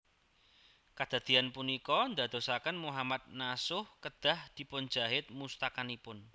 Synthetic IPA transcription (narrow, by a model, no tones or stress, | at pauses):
kad̪̥a̤d̪̥i̤anpunikɔnd̪a̤d̪̥o̤sakənmuɦamad̪̚nasʊhkəd̪̥a̤hd̪̥i̤pʊn̥d͡ʒ̥aɦɪt̪̚must̪akanipʊn